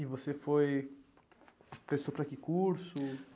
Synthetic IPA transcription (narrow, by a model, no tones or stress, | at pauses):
ivosefoj | pɾesopɾɐkikuɾsʊ